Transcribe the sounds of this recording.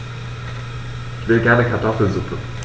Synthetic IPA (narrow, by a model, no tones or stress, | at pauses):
ʔɪçv̥ɪlɡɛɐnəkʰaɐtʰɔfl̩nzukn̩